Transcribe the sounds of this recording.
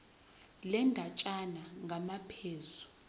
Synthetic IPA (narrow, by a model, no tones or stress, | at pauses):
lɛndʱat͡ʃʼanaŋɡʱamapʰeːzu